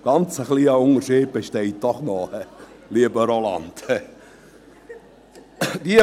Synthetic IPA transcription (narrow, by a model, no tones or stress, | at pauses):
ɡ̥ɑnt͡səχliːəʊŋəɾʃiːd̚b̥eʃtɛɪt̚d̥ɔχnɔhɛ | liəbəɾolɑ̰ndhɛ | d̥iə